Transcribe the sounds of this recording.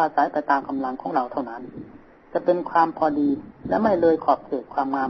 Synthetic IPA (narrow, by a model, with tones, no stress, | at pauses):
aː˧sa˨˦jpa˧jt̪aː˧mka˧mla˧ŋkʰɔː˩˦ŋɾa˧wt̪ʰa˥˩wna˦˥n | t͡ɕa˨˧˩pe˧nkʰwaː˧mpʰɔː˧diː˧lɛ˦˥ma˥˩jlɤː˧jkʰɔː˨˩p̚kʰeː˨˩kʰwaː˧mŋaː˧